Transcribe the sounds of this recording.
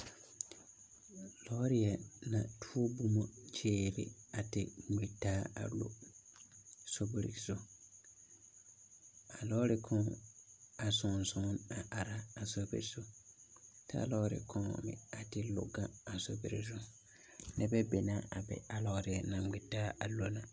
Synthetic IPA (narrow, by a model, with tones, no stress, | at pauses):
lɔ˦ɾɪ˦ɛ˨nã˨tʰu˦o˦bu˦mõ˨t͡ʃʰeː˦˨ɾɪ̰˨a˨tɪ˦ŋe˨tːaː˦a̰˨lo̰˦ | so˦bo˨ɾḭ˨sʊ˦ | a˨lɔ˦ɾɪ˨kʰɔ̃˦ | a˨sɔ̃˨nsɔ̃˦na˨ʔa˨ɾaː˦˨so˦bḛ˨ɾsʊ˦ | tʰa̰˦lɔ˦ɾɪ̰˨kʰɔ̃˦˨mɪ̰̃˨a˨tɪ˦lʊ̰˨ɡã˦a˨so˦bḛ˨ɾɪ˨s̬ʊ˦ | nɛ˨bɛ˦be˨nã˦a˨bɛ̰˨a˨lɔ˨˦ɾɪ˦ɛ˨nã˨ɡ͡bɪ˨tːaː˦a˨lo˦nã˨